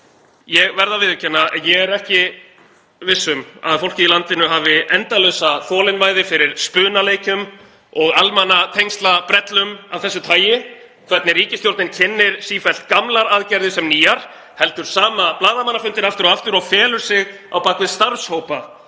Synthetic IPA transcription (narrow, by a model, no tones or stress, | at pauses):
jɛɣvɛɾðavɪðʏcʰɛnːaɛnjɛɣɛɾɛhcɪ | vɪsːʏma̰ðfowl̥cɪilant̪ɪnʏɦaːvɪʔɛnt̪alœːsaθɔːlɪnvaːjðɪfɪɾɪɾ̥spʏːnaleːjcʏm | ɔɣalmanːat̪ʰejŋst̪lapɾɛt̪lʏmawθɛsːʏt̪ʰaːjɪ | kʰvɛt̪nɪriːcɪst̪jowɾt̪nɪncʰɪnːɪɾ̥siːfɛl̥t̪̚kamlaɾaðcɛɾðʏsɛmniːjaɾ̥ | hɛl̪t̪ʏɾ̥saːmaplaːðamanːafʏnt̪ɪnaft̪ʏɾɔaft̪ʏɾɔɣfɛːlʏɾ̥sɪɣ | a̰wpaːkvɪðst̪aɾshowpa